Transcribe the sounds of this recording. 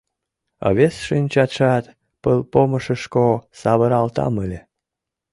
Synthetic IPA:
ɑ̰βesʃɨnʲt͡ɕɑt̪ʃɑt̪ | pəlˠpoməʃəʃkosɑβəɾɑlt̪ɑ̰məlʲe

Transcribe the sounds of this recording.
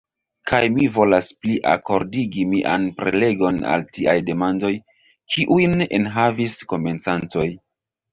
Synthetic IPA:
kajmivo̞laspliʔa̰ko̞ɾdiɡimiʔa̰npɾe̞le̞ɡo̞na̰ltiajde̞mando̞j | kiʔujne̞̰nɦavisko̞me̞nt͡santo̞j

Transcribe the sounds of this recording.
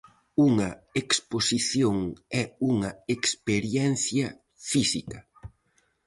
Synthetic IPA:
uŋɐeksposiθjoŋɛuŋɐekspeɾjɛnθjɐ | fisikɐ

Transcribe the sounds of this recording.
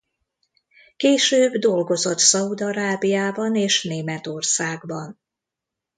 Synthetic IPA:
keːʃøːbd̪o̞lɡo̞zo̞t̪sɒud̪ɒɾaːbijaːbɒneːʃneːmɛt̪o̞rsaːɡbɒn

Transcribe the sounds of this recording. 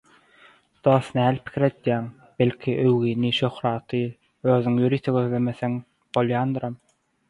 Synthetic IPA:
d̪̥oːsnæːlʲpʰi̥kʰiɾe̞d̪̥jæːŋ | b̥e̞lʲkʲʰiʔøwɣiːniʃø̞xɾɑːt̪ʰɯ | øːðyŋjøɾiːt̪ʰeɡøðleme̞θeŋ | b̥olˠjɑːnd̪ɯɾɑm

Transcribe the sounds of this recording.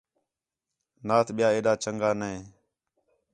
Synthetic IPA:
naːt̪ʰɓɪjaːeːɗaːt͡ʃəŋɡaːnɛː

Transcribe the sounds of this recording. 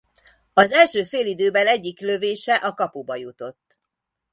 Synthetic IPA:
ɒzɛlʃøːfeːlid̪øːbɛlɛɟːikløveːʃɛʔɒkɒpubɒjut̪o̞t̪ː

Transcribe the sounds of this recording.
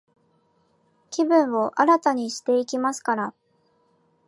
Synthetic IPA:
kʲibɯ̟̃ɰ̃o̞ʔaɾat̪aɲ̟iɕi̥t̪e̞ikʲimasɨ̥kaɾa

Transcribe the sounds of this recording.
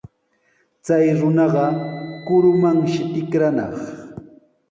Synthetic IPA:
t͡sajɾʊnɑɢɑkʊɾʊmaŋʃɪt̪ɪkɾanɑ̰χ

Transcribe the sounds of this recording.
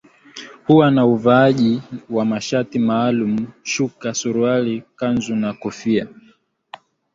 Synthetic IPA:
huwanauvaaʄiwamaʃatimaːlum̩ʃukasuɾualikanzunakɔfia

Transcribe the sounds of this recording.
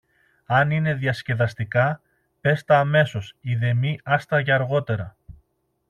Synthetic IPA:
ɐnine̞ðiɐsce̞ðɐst̪ikɐ | pe̞st̪ɐːme̞so̞siðe̞miɐst̪ɐʝɐɐɾɣo̞t̪e̞ɾɐ

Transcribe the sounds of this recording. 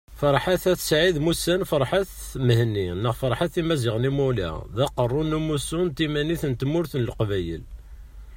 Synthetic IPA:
fɑɾˤħaθæt̪sʕid̪musænfɑɾˤħaθ | məhnːinːəʁfɑɾˤħaθimæziʁnimulæ̰ðæqərˤːunumusunt̪imæniθnt̪mʊɾθnəlqvæjə̰l

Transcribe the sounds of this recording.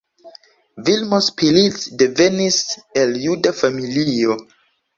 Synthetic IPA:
vilmospilitsdeveniseljudafamilio

